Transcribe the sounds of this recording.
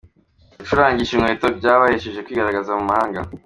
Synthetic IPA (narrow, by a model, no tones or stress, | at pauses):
iʃuɾaːɲɟiʃimŋwetokɟaːβaheʃeʒe̞kwiːɡaɾaɡazamumahaːŋɡa̰